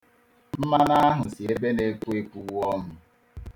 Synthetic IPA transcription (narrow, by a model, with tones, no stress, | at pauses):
m̩˦ma˦na˦ɦʊ˨si˨e˦be˦ne˨˦ku˦e˦ku˦˨wɔ˦m̩˨